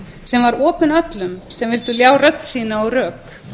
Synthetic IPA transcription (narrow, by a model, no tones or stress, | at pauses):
sɛmvaɾɔːpʏnat̪lʏmsɛmvɪlt̪ʏljaːwrœt̪ːsiːnaɔɣrœːk